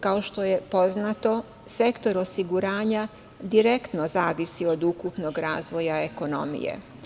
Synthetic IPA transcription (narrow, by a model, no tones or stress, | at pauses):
kao̞ʃt̪o̞je̞po̞znat̪o̞ | se̞kt̪o̞ɾo̞siɡuɾaːɲa | d̪iɾe̞kt̪no̞zaːʋisio̞d̪ukupno̞ɡɾa̰ːzʋo̞jaeko̞no̞̰mḭjḛ